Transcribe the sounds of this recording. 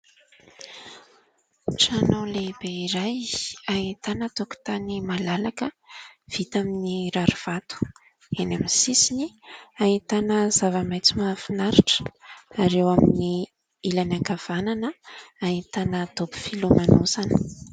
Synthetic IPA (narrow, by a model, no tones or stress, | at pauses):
ʈ͡ʂanawleb̥eiɾajait̪anət̪oku̥i̥t̪animalalakə | v̥it̪aminiɾaɾuv̥at̪u̥ | enamsisiniait̪anəzavəmajt͡simafinaɾiʈ͡ʂə̥aɾewamini | ilanakav̥ananəait̪anəd̪̥obu̥filumanosanə̥